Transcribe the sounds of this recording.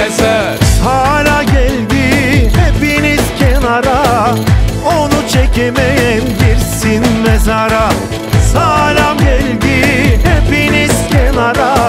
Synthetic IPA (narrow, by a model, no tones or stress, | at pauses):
saːlʲaɟælʲd̪ihepiniz̥cʰɛnaɾa | onut͡ʃʰecʰemejɛnɟiɾsinmezaɾa | saːlamɟælʲd̪ihepiniz̥cʰɛnaɾa